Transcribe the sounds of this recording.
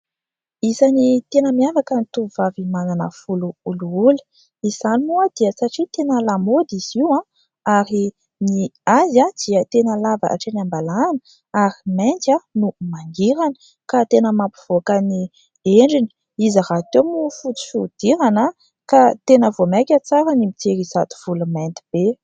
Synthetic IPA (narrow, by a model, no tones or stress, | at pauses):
izanit̪enəmiavakənit̪uvavimananə̰fuluuluuli̥ | iz̥animoad̪̥iəsaʈ͡ʂit̪enəlamod̪iz̥iwã | aɾi | niazad̪̥iət̪enəlava̰ʔa̰ʈ͡ʂenambalanə | aɾiment̪anumaŋɡiɾanə̥ | kat̪enəmapu̥v̥okəni | eɳɖ͡ʐini̥ | izaɾat̪onufut͡s̪i̥fud̪̥iɾanə | kat̪enəvomakʲət͡saɾənimit̪eɾizat̪u̥v̥ulumɛnt̪i̥b̥e